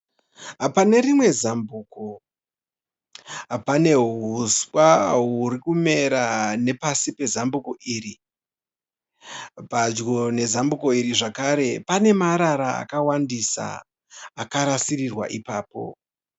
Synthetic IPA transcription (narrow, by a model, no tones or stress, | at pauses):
ɦapane̞rimwe̞zambuːko | apane̞ɦuswaɦuɾikume̞ɾane̞pasipe̞zambukoʔiːɾi | pad͡ʒɡone̞zambukoiriʐakaɾe̞pane̞maɾaɾaa̰kawandisa̰ː | kaɾasirirwa̰ʔipaːpo̞̰